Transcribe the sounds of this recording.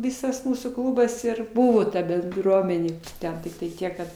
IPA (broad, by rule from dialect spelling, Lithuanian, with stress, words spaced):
ˈʋʲɪsɐs ˈmuːsuː ˈklˠuːbɐs ɪr ˈbʊʋoː tɐ bʲɛnˈdruɔmʲɛnʲeː ˈtʲɛn tʲɪktɐɪ ˈtʲiɛk kɐt